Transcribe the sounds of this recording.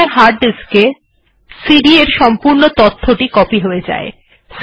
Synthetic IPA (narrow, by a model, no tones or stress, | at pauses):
aɾɦaɾɖiske | siɖieɾʃɔmpuɾnot̪ot̪ʰːoʈikɔpiɦoed͡ʑa̰e | s